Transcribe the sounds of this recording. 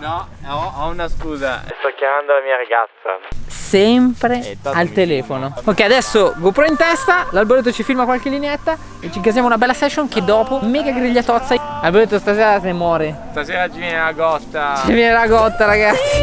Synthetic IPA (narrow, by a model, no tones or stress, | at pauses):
nɔɔɔunaskuːza̰st̪ɔkjamand̪olamiːaɾaɡa̰t̪sːa̰sɛmpɾealt̪elɛːfonopokːead̪ɛsːoɡopɾɔint̪ɛst̪alalboɾet̪ːot͡ʃifilmakwalkelːineɛt̪ːa | et͡ʃːiŋkazjamounabɛlːasɛʃːoŋk̟ed̪ːɔːpomːɛːɡaɡɾiʎːat̪ɔt̪sːalalboɾet̪ːost̪aseːɾasnemwɔːɾest̪aseːɾat͡ʃivjɛnelaɡɔt̪ːat͡ʃivjɛnelaɡɔt̪ːaɾaɡat̪sːi